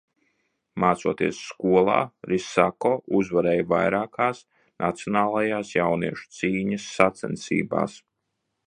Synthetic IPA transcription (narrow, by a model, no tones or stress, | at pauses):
maːt̪suɔt̪iɛsːkuɔlˠa̰ːɾisakoːuzvaɾɛːjvajɾaːkaːs | nʔat̪sʲjɔnaːlˠajaːsjawniɛʃu̥t̪siːɲɐsːat̪sɛ̰nsḭːba̰ːs